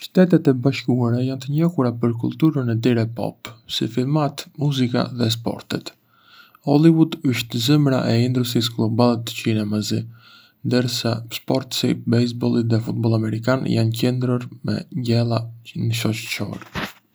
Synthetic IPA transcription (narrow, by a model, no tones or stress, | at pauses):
ʃt̪ɛt̪ɛt̪ɛbaʃkuaɾajant̪əɲɔhuɾapəɾk̬ulˠt̪uɾənɛt̪iɾɛpɔ̰psḭfilˠmat̪muzika̰ðɛs̬pɔ̰ɾt̪ɛt̪ | ɔlivud̪əʃt̪zəmɾa̰ʔɛind̪ɾusisɡlˠɔbalˠɛt̪ə̥cinɛmazi | nd̪əɾsaspɔɾt̪sḭbɛjs̬bɔlˠit̪ðɛfut̪̚bɔlˠamɛɾikanjancɛnd̪ɾɔɾmɛ̰ɟɛlˠanəʃɔt͡ʃt͡ʃɔ̰ɾ